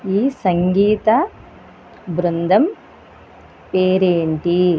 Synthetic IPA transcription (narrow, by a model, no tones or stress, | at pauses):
iːsɐŋɡiːt̪ɐ | bɾund̪ʱɐm | peːɾeːɳʈi